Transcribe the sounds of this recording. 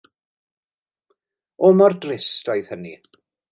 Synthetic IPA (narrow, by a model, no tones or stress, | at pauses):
ɔmɔrdrɪstɔjð̥hənḭ